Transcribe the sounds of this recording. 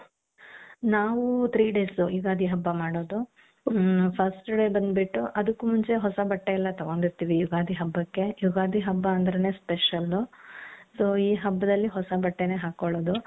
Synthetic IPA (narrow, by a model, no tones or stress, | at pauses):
naːʋut̪ʰɾiːɖe̞ːsujuɡaːd̪ʱiɦɐbːɐmaːɽoːd̪u | pʰɐsʈɖe̞ːbɐnd̪biʈːuʔɐd̪ukːumuɲt͡ʃe̞ɦɔsɐbɐʈːeilːɐt̪ɐʋoːnd̪iɾt̪iːʋijuɡaːd̪ʱiɦɐbːɐkːe̞juɡaːd̪ʱiɦɐbːɐːnd̪ɾɐne̞ːspeʃɐlusoːiːɦɐbːɐd̪ɐlːiɦɔsɐbɐʈːene̞ːɦaːkoɭoːd̪u